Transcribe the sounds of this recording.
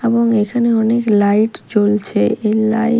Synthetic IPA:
eboŋekʰaneɔneklajʈt͡ɕolt͡ɕʰeela

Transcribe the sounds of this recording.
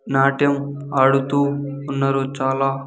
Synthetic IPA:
naːʈjɐm | ɐɽut̪uːnːɐɾut͡ʃaːlaː

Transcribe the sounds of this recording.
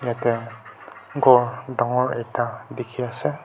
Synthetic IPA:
jate | ɡɔɾdɔŋɔɹejtadikʰiase

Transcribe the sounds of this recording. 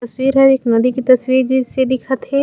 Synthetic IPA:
swiːɾɦɐɾeːknɐd̪ikit̪ɐswiːɾd͡ʒizsed̪ɪkʰət̪ɦɛ

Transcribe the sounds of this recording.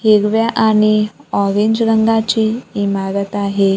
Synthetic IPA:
heɡʋjaʔaɽ̃iɔɾeɲd͡ʑɾəŋɡat͡ɕiːmaɾət̪aɦe

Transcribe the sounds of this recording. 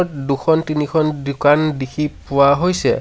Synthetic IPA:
ɔtduxʰɔntinixʰɔndukandikʰipʊwaɦojsɛ̰

